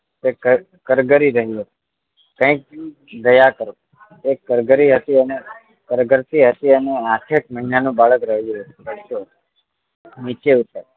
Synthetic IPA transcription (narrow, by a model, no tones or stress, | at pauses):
t̪ekə | kəɾɡəɾiɾəɦiɦət̪i̥ | kə̃ĩk̚ | d̪əjakəɾo | ekːəɾɡəɾiɦət̪iəne | kəɾɡəɾt̪iɦət̪iəneakʰeʈ̚məɦinanũbaɭəkɾəɦijuɦət̪ibət̪o̥ | nit͡ʃeut̪ə